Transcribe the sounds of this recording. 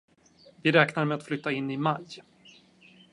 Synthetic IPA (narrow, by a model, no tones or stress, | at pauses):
vɪɾɛːknaɾmɛat̪flʏt̪ːaɪnːɪmaj